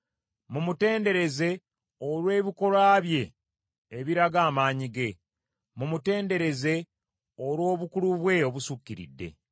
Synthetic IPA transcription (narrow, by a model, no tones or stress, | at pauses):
mumute̞ːnde̞ɾe̞ze̞ | olwe̞ːβiko̞laːβje̞ː | βiɾaɡaːmaːɲiɡe̞ | mumute̞ːnde̞ɾe̞ze̞ | olwo̞ːβukuluβwe̞oβusukːiɾḭdːe̞̰